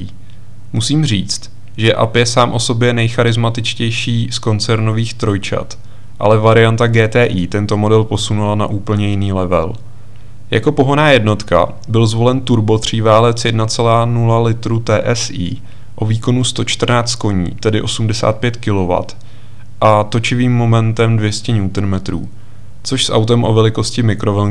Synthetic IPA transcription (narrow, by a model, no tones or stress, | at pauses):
musiːmr̝iːt͡st̪ | ʒɛʔa̰pjɛsaːmʔo̞so̞bjɛnɛjxaɾɪzmat̪ɪt͡ʃcɛjʃiːsko̞nt͡sɛɾno̞viːxt̪ɾo̞jt͡ʃa̰t̪ | ʔa̰lɛvaɾɪjant̪aɡɛːt̪ɛːʔiːt̪ɛnt̪o̞mo̞dɛlpo̞sunulana̰ʔuːpl̩ɲɛjɪniːlɛvɛ̰l | ja̰ko̞po̞ɦonaːjɛdno̞t̪ka̰ | bɪlzvo̞lɛnt̪uɾbo̞t̪r̝̥iːvaːlɛt͡sjɛdnat͡sɛlaːnulalɪt̪ɾut̪ɛːʔɛsiː | ʔo̞viːko̞nust̪o̞t͡ʃt̪r̩naːt͡st̪̚ko̞ɲḭːt̪ɛdɪʔo̞sumdɛsa̰ːt̪̚pjɛt̪kɪlo̞va̰t̪ | ʔat̪o̞t͡ʃɪviːmːo̞mɛnt̪ɛmdvjɛscɛɲuːt̪n̩mɛt̪ɾṵː | t͡soʃsʔa̰wt̪ɛmʔo̞vɛlɪko̞scɪmɪkɾo̞vɛ